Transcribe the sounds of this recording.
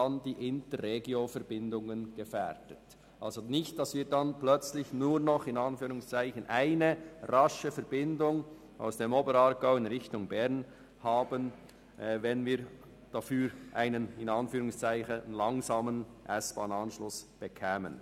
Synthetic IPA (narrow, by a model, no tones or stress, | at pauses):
andiːʔɪntərːeɡiofɛɾbɪndʊŋənɡ̥əfɛɾdət | ʔalzonɪçt̚d̥ɑsviːɾdanplœt͡slɪçnuːɾnɔχɪnɑnfyːɾʊŋst͡saɪçənʔaɪnərɑʃəfɛɾbɪndʊŋ | ʔa̰ʊsd̥eːmoːbəɾɑɾɡaʊɪnʁɪçtʊŋbɛʁn | haːbən | ʔvɛnviːɾ | d̥afyːɾʔaɪnənɪnɑnfyːɾʊŋst͡saɪçənlɑŋzaːmənʔɛsb̥aːnɑnʃlʊsb̥əkʰɛːmə̰n